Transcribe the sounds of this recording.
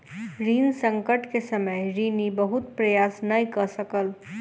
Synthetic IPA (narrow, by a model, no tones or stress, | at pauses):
ɾiːnsə̃ŋkəʈkesəməjɾiːnibəɦʊt̪pɾəjaːsnəikəɾsəkəl